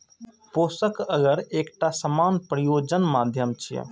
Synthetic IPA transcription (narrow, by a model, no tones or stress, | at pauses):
posəkəɡəɾekʈasəmanpɾəjod͡ʒənmad̪ʱjəmt͡ʃʰḭj̰